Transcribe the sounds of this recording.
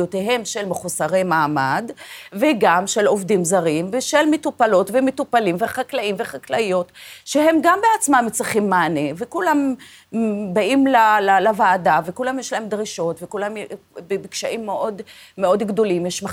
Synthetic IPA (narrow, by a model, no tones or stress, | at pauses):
ot̪eɦe̞mʃe̞lmeχusaʁejmaːmadveɡamʃe̞lovdimzaʁimveʃelmetupalo̞tvemetupalimveχaklaimveχaklajo̞tʃe̞he̞mɡambeat͡smamːet͡sʁiχimːaːnevekulam | baimlalalavaːdavekulamjeʃlae̞md̪ʁiʃo̞tvekulamjbebikʃaʔimːeʔo̞dmeo̞dɡdo̞limjeʃma